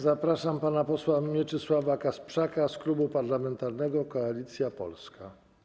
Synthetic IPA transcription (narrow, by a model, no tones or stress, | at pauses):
zapɾaʂampanapɔswamʲjɛt͡ʂɘswavakaspʂakasklubupaɾlamɛnt̪aɾnɛɡɔkɔalʲit̪sʲjapɔ̰lska